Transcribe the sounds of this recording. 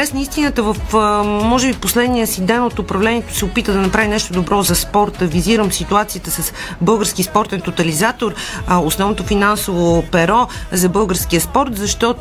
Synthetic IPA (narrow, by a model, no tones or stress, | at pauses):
ɾɛsnəist̪inət̪əvəfmɔʒɛbiposlɛd̪niəsid̪ɛnot̪opɾɐvlɛniɛt̪o̥sɛopit̪əd̪ɐnɐpɾavinɛʃt̪od̪obɾʔɔzɐspɔɾt̪əviziɾəmsit̪uat̪sijət̪əsəsbɤlˠɡəɾskʲispɔɾt̪ɛnt̪ot̪ɐlizat̪oɾosnɔvnot̪ofinansovopɛɾɔzɐbɤlˠɡəɾsk̟iəspɔɾt̪zɐʃt̪ɔ